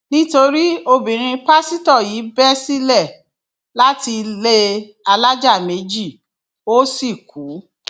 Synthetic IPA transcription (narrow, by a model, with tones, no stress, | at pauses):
nĩ˦to˧ɾi˦o˧bĩ˨ɾ̃ĩ˧pa˦si˦tɔ˦˨jiː˨˦bɛ˦si˦lɛ˦˨ | la˦ti˧le˦ | a˧la˦d͡ʒa˦˨me˨˦d͡ʒi˦˨ | o˦si˦˨kuː˨˦